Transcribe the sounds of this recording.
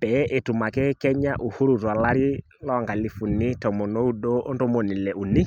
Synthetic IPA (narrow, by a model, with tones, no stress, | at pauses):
pɛ˨˦ʔe˨tu˨ma˨kɛ˦kɛ˦ɲa˦ʔu˨hu˦ɾu˨twa˨la˦ɾi˦ | lɔ˦˨ŋɡa˨li˨˦fu˨ni˦tɔ˨mɔ˨no˦u˦do˦o˦ndo˦mo˨ni˨lɛ˨u˨ni˦